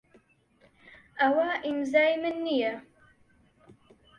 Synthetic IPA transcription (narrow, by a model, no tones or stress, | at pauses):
ɐwaʔimzaːjmɨnːijɛ